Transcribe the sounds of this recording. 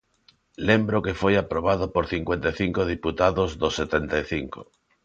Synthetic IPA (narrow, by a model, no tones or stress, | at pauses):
lẽmbɾokefojapɾoβ̞aðopoɾθiŋkwent̪ajθiŋkoð̞iput̪aðozðosːet̪ent̪ajθiŋko̰